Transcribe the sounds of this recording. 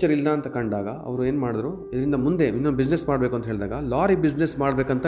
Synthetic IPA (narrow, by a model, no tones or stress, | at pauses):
t͡ʃɐɾilːɐːnt̪ɐkɐɳɖaːɡɐɐ̰ʋɐɾue̞ːnmaːɽid̪ɾu | id̪ɐɾind̪ɐmund̪e̞inːubid͡ʒnesmaːɽbeːkuɐnt̪ɐɦeːɭd̪aːɡɐlaːɾibid͡ʒnesmaːɽbeːkɐnt̪ɐ